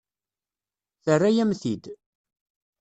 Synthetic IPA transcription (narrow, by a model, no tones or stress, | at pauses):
θərːajæmθid̪